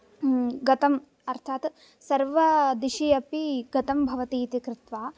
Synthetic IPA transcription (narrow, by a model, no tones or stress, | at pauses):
ɡɐt̪ɐm | ɐɾt̪ʰaːt̪ | sɐɾʋɐd̪iʃijɐpiɡɐt̪ɐmbʱɐʋɐt̪iːt̪ikɾɪt̪ʋaː